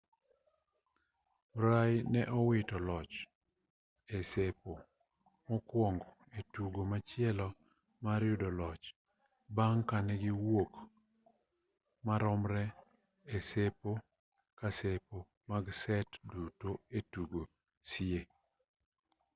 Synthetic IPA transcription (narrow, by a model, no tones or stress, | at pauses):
mɾajnɛʔɔwɪtɔlɔt͡ʃ | esepo | mɔkwɔŋɡɔetuɡomat͡ʃɪɛlɔ | maɾjʊdɔlɔt͡ʃ | baŋkanɛɡɪwok | maɾɔmɾɛ | esepo | kasepo | maɡsɛtdutoetuɡo | sɪe